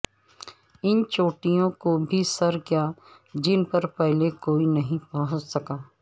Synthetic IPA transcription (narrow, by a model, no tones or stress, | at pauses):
ɪnt͡ʃoːʈijõkobʱisɐɾkija | d͡ʒɪnpɐɾpɛɦlekoːinɐɦĩpɐɦʊ̃t͡ʃsɐkaː